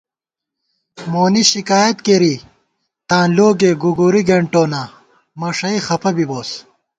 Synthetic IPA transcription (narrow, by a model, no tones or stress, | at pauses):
moːniɕikaːjɐt̪keɾi | t̪ãːloːɡeːɡuɡuɾiɡeɳʈoːna | mɐʂɐixɐpɐbiboːs